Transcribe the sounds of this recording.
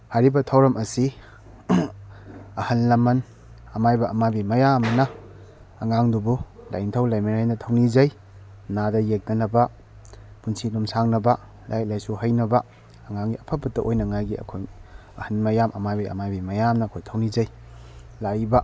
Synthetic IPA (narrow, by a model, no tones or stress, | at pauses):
haɾibɐtʰɐwɾɐmɐsi | ɐhɐnlɐmɐn | ɐmajbɐʔɐmabimɐjamɐnɐː | ŋaŋdubula̰jntʰɐwlajmiɾajnɐtʰɐwnizɐj | nadɐjek̚nɐnɐbɐ | punsilumsaŋnɐbɐ | la̰jk̚lajsuɦɐjnɐbɐː | ŋaŋɡiɐpʰɐpɐtːɐʔojnɐŋajɡiɐ̰kʰoj | ɐhɐnmɐjamʔɐmajbiɐ̰majbimɐjamnɐːkʰojtʰɐwnizɐj | lajbɐ